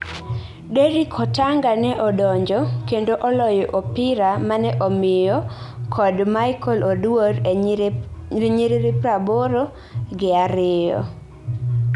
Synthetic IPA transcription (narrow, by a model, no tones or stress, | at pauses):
deɾikʰɔtaŋɡanɛʔɔdɔɲd͡ʒɔkendoʔɔlɔjɔʔopɪɾamanɛʔɔmɪjɔkʰɔdmajkʰɔlodwoɾ | eɲiɾiɾipɾaboɾo | ɡɪaɾɪɔ̰